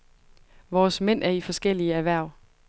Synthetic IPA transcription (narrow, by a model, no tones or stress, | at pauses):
ʋɒːsmen̰ʔæɐifɒ̽sɡ̥el̰iəæʋæɐ̰